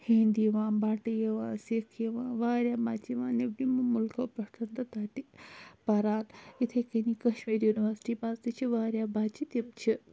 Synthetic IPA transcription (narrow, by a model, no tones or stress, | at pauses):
hĩːnd̪iʋãːnbaːʈijeʋãːsekʰjeʋãːʋaːɾʲjaːbaːt͡ʃiʋãːnebnimmʊlkʰoːpɾɐʈ̪ʰɐnd̪ɐt̪aːʈipɐɾaːlit̪ʰekenikɐʃmiːɾjuːniʋəɾsʈipaːzt̪it͡ʃʰiʋaːɾjaːbaːt͡ʃit̪ɐmt͡ʃʰi